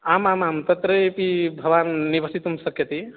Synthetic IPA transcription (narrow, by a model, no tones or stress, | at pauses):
aːmamamt̪ɐt̪ɾəpibʱɐʋaːnːibɐsit̪umsəkjət̪i